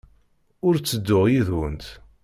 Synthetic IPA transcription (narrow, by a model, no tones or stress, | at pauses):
ʊɾt͡sːəd̪ːʊʁjiðwə̰nt̪